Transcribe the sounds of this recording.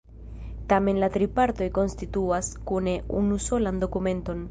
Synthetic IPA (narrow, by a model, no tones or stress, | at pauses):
tame̞nlatɾipaɾto̞jko̞nstituaskune̞ʔunuso̞lando̞kume̞nto̞n